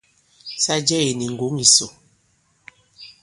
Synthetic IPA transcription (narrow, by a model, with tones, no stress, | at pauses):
sa˦d͡ʒɛ˦e˨ni˨ŋ̩˨ɡo˨˦ŋi˨so˨